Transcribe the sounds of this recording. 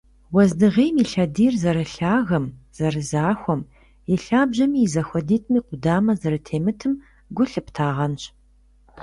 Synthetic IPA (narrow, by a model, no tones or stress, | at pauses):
wɐzdɨʁeːjmiːɬɐdiːrzɐɾɨɬaːɣɐmz̥ɐrɨzaːxʷɔm | jɛɬaːbʑɐmiːzɐxʷɔdiːtʰmiːqʷʊdaːmɐzɐɾɨtʰeːmɨtʰɨm | ɡʷʊɬɨptʰaːʁɐnɕ